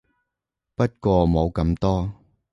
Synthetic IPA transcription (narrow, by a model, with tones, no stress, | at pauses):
pɐ˥t̚kʷɔː˧mo˨˧wkɐ˧mt̪ɔː˥